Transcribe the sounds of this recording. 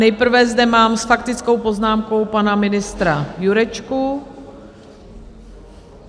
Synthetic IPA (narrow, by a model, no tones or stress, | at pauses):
nɛjpr̩vɛzdɛmaːmsfakt̪ɪt͡sko̞wpo̞znaːmko̞wpanamɪnɪst̪ɾajuɾɛt͡ʃku